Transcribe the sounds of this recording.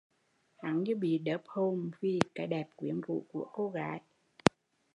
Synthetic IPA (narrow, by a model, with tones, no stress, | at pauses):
ha˨˦ŋɲɨ˧ɓḭ˧˨ɗəː˨˦p̚ho˧nvi˨˩kaː˨˦jɗɛ˨˩p̚kwi˨˦ənvṵ˧˨ku˧˩əko˧ɣaː˨˦j